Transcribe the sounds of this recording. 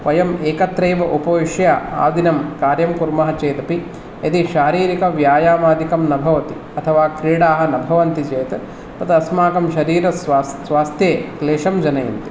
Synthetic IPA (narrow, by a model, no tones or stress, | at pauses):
ʋɐjɐmeːkɐt̪ɾeːʋɐʔupɐʋiʂjaa̰ːʋd̪inɐmkaːɾjɐmkuɾmɐɦɐt͡ʃeːt̪ɐpi | ɐt̪iʃaːɾiːɾikɐʋjaːjaːmaːd̪ʱikɐmnɐbʱɐʋɐt̪i | ɐt̪ʰɐʋaːkɾiːɽaːɦɐ̆nɐbʱɐʋɐnt̪it͡ʃeːt̪ɐ | p̪ɐt̪ɐɐsmaːkɐmʃɐɾiːɾɐssʋaːst̪ʰjeːkleːʂɐmd͡ʒɐnɐjɐ̰nt̪i̥